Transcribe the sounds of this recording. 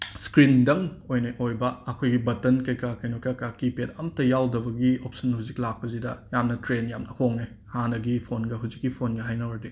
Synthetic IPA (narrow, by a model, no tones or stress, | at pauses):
skɾindɐŋojnɐʔojbɐɐkʰojɡibɐtɐnkɐjkakɐjnokakakipetɐmɐtːɐjawdɐbɐɡiop̚sɐnhuziklak̚pɐzidɐjamnɐtɾenjamnɐhoŋe | hanɐɡipʰonɡɐɦuzikːipʰonɡɐɦajnɐwɐɾdi